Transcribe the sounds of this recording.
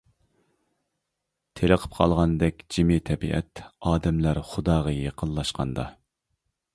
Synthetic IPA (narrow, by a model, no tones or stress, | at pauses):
t̪ʰeləqʰə̥p̚qʰɑ̰lˠʁɑnd̪ɛkʲd͡ʒimɪt̪ʰɛbiʔɛ̰t̪ɑːd̪ɛmlæɾχʊd̪ɑːʁɑjeqʰənlˠɑʃqʰɑ̰nd̪ɑ